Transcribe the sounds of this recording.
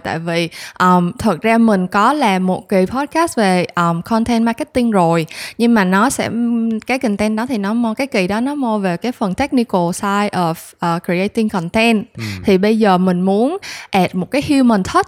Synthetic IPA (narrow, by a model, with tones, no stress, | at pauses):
t̪a̰ː˧˨jvi˨˩ʔəː˧˨˩mt̪ʰwə˨˩t̚zaː˧mï˨˩ŋ̟kɔ˨˦laː˨˩mo˨˩t̚ki˨˩pʰɔ˦˥t̚kaː˦˥st̚ve˨˩ʔəː˨˩mkʰɔ˧nt̪ʰɛ˧nma˧kə˦˥t̚t̪ï˧ŋzo˨˩jɲɨ˧ŋmaː˨˩nɔ˨˦sɛ̰˧˥kaː˨˦jkï˨˩ŋ̟t̪ɛ˧nɗɔ˨˦t̪ʰi˨˩nɔ˨˦mo˧kaː˨˦jki˧˩ɗɔ˨˦nɔ˨˦mo˧ve˨˩kaː˨˦jfə˨˩nt̪ɛ˦˥k̚ni˧kə˧˩saː˧jʔɔ˨˩fʔəː˨˩ki˨ʔə˧jt̪i˧ŋkɔ˧˨˩nt̪ɛ˧nt̪ʰi˨˩ɓə˧jzəː˨˩mï˨˩ŋ̟mu˨˦ənʔɛ˨˩p̚mo˨˩kaː˨˦jhu˧wmə˧˩nt̪ʰə˦˥t̚